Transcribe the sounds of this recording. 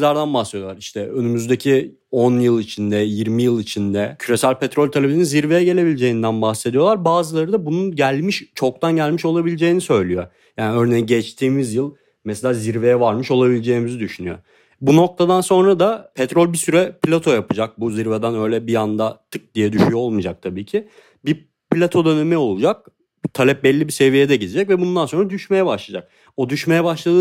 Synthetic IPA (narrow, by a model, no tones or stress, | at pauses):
lʲaɾd̪anbahsed̪ijlˠaɾiʃt̪ʰɛønymyzd̪ecʰi | onjɯlˠit͡ʃʰind̪ɛjiɾmijɯlˠit͡ʃʰind̪ɛcʰyɾe̞sælʲpʰɛt̪ɾolʲt̪ʰelʲeininziɾve̞jɛɟe̞lʲe̞bilʲd͡ʒe̞jind̪ænbaxsed̪ijo̞lˠaɾbaːzɯlˠaɾɯd̪abununɟælʲmiʃt͡ʃʰo̞k̚t̪ʰanɟælʲmiʃo̞lˠabilʲed͡ʒe̞jinisø̞jlʲyjo | jaːniøɾnejiɟɛt͡ʃt̪ʰiːmizjɯlˠ | mɛselʲaːziɾve̞jɛvaɾmɯʃo̞lˠabilʲed͡ʒe̞jːimizid̪yʃynyjo̰ | buno̞k̚t̪ʰad̪anso̞nɾad̪apʰɛt̪ɾolʲbisyɾɛplʲat̪ʰo̞japʰɯd͡ʒak̚buziɾvɛd̪ænø̞jlʲɛbijand̪at̪ʰɯk̚d̪ijɛd̪yʃyjoo̞lˠmud͡ʒak̚t̪ʰabiːcʰi | bi | plʲat̪ʰo̞d̪ø̞nɛmɛo̞lˠud͡ʒak̚ | t̪ʰalʲɛp̚bɛlʲːibise̞vijed̪ɛɟid̪id͡ʒɛcvɛbund̪ano̞nɾad̪yʃme̞jɛbaʃlˠad͡ʒak̚ | o̞d̪yʃme̞jɛbaʃlˠad̪ɯ